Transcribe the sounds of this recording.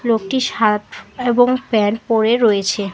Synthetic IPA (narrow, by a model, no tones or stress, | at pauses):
lokʈiʃat̪eboŋpɛnpoɾeɾoet͡ɕʰe